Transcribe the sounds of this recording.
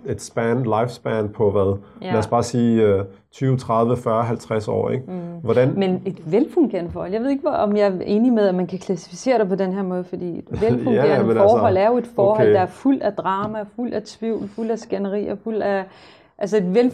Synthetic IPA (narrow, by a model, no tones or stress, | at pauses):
e̝d̥sb̥ænlɑ̈ɪfsb̥ænpʰɒ̽ʋæðˠlæs̚b̥ɑ̈siːø | t͡sʰyːʊt͡sʰʁɑ̈ð̞ˠʋəfɶːɐɦælt͡sʰʁasɒ̰ːeɡ̥ʋɒdænmene̝d̥ʋelpʰuŋɡ̥ʰeɐ̰nfɒːhɒl̰jɑ̈ʋe̝ðˠeɡ̥ʋæɒ̽mjɑ̈ɪɐʔe̝ːnimeðˠæmænkʰækʰlæsi̥fise̝̰ːɐɾ̥epʰɒ̽denɦeɐmɔ̽ːð̞ˠfɒ̽d̥ḭːe̝d̥ʋepʰoŋemɒːhɒ̽l̰æɐjo̝e̝d̥fɒːɦɒ̰̽d̥ɑ̈æɐful̰d̥æd̥ʁɑ̈ːmæful̰d̥æt͡sʰʋiʊ̰lful̰̥æsɡ̥ænəʁḭːɐful̰̥æ | ʔæls̬əe̝d̥ʋel